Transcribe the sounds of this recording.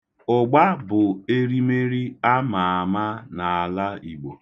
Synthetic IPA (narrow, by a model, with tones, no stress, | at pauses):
ʊ˨ɡ͡ba˦bʊ˨e˦ɾi˦me˦ɾi˦a˦ma˨a˨ma˦na˨a˨la˦i˨ɡ͡bo˨